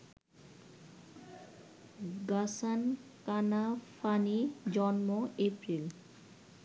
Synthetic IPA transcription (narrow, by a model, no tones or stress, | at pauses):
ɡasankanafʰanid͡ʑɔnmoepɾil